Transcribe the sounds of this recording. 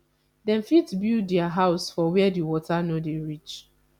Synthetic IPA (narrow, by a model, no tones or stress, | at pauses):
dɛ̃nfitbildɛaɦaʊsfɔwɛɛdiwɔtanodeɹit͡ʃ